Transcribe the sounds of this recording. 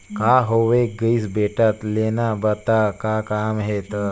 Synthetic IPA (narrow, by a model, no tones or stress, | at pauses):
kaɦoʋeɡəjsbeʈat̪lenabət̪akakamɦet̪